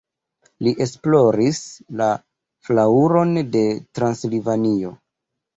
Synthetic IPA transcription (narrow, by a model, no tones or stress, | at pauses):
liʔe̞splo̞ɾisla | flauɾo̞nde̞tɾanslivanio̞